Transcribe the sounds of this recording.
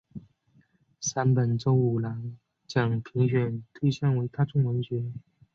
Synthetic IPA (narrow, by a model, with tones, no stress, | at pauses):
sa˥npə˨˩nʈ͡ʂo˥ʊu˨˩la˧˥n | t͡ɕjɑ˨˩ŋpʰi˧˥ŋɕɥɛ˨˩nt̪ʰwe˥˧ɕa˥˩nwe˧˥ɪt̪ʰa˥ʈ͡ʂʊ˥ŋwə˧˥nɕɥɛ˧˥